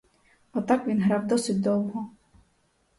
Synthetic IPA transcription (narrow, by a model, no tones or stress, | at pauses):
ɔt̪akʋʲinɦɾawd̪ɔsɪt̚ʲd̪ɔwɦɔ